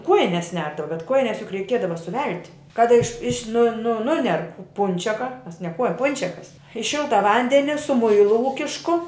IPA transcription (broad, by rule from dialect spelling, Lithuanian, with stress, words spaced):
ˈkuɔjɪnʲɛs ˈnʲɛrdɐʋɐ bʲɛt ˈkuɔjɪnʲɛs jʊk rʲɛɪˈkʲiɛdɐʋɐ sʊˈʋʲɛlʲtʲɪ kɐt ɪʃ ɪʃʲ nʊ nʊ ˈnʊnʲɛr ˈpʊnʲt͡ʃʲɛkɐ ˈmʲɛs nʲɛ ˈkuɔj ˈpʊnʲt͡ʃʲɛkɐs ɪ ˈʃʲɪlˠtɐ ˈʋɐnʲdʲɛnʲɪ sʊ ˈmʊɪlˠʊ ˈuːkʲɪʃkʊ